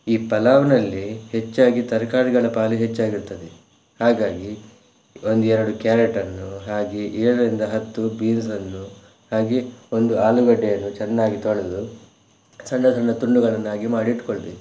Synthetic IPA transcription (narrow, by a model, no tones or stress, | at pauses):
iːpɐlaːʋnɐlːihe̞t͡ʃːaːɡit̪ɐɾkaːɽiɡɐɭɐpaːliɦet͡ʃːaːɡiɾt̪ɐd̪e | haːɡaːɡi | o̞nd̪uɛɾɐɽukjaːɾeʈɐnːuɦaːɡiʔɛːɽɐɾind̪ɐɦɐt̪ːubiːnsɐnːu | haːɡeo̞nd̪uaːluɡɐɖːɛjɐnːut͡ʃɛnːaːɡit̪oɭed̪u | sɐɳɖɐsɐɳɖɐt̪uɳɖuɡɐɭɐnːaːɡimaːɽiʈkoɭd̪e